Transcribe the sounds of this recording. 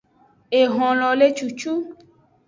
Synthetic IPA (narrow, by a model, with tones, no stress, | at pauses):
e˨ɦɔ̃˨lɔ˨le˦t͡ʃu˨t͡ʃu˦